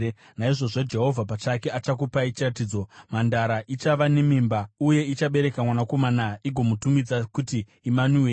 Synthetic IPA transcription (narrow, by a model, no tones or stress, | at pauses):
naiʐo̞ʐo̞d͡ʒe̞ɦo̞vʱapat͡ʃakeat͡ʃak̬upait͡ʃirat̬iːd͡zo̞mandaɾaʔit͡ʃaʋanemiːmbauje̞it͡ʃaɓe̞ɾe̞kamwanako̞manaiɡʱo̞mutumid͡zakutiː | manue